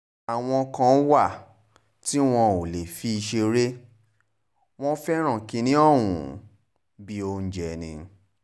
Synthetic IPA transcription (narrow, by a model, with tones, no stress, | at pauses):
a˨w̃ɔ̃˧kã˧˦wa˦˨ | ti˦w̃ɔ̃˧o˨le˨fi˦i˧ʃe˧ɾe˦ | w̃ɔ̃˦fɛ˦ɾ̃ã˦˨kĩ˧nĩ˦ɔ˦˨wṵ̃˨ | bi˦o˧n̩˦d͡ʒɛ˧˨nĩ˧